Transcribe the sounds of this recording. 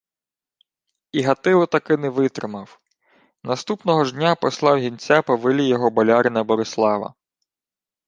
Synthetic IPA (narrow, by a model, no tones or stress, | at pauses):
iɦɐt̪ɪlˠɪt̪ɐkɪnɛʋɪt̪ɾɪmɐw | nɐst̪upnɔɦɔʒnʲapɔslˠɑwɦʲint͡sʲapɔʋɪlʲijɔɦɔbɐlʲaɾɪnɐbɔɾɪslˠɑʋɐ̰